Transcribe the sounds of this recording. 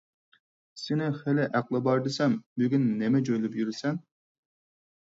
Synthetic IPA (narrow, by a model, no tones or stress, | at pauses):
sɪnɪχelɪʔæqlˠɨbɑɾd̪ɨsɛmbyɡʲynːɛmɛd͡ʒojlɪpjyɾɪsɛn